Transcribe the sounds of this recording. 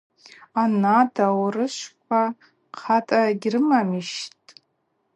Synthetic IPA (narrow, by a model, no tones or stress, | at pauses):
anadawrɨʃʷkʷʰa | qʰatʼaɡʲrɨmamiʃtʼ